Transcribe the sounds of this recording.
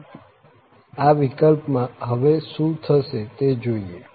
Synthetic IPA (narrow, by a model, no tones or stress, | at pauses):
aʋikəlpmãɦəʋeʃũt̪ʰəʃet̪ed͡ʒoie